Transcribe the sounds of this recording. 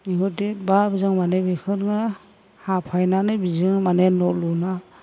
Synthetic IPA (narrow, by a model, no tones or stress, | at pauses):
iɦɔtet̚babizɯŋmanebikʰɯɾŋɯ | hapʰajnanɯbizɯŋmanenɔluna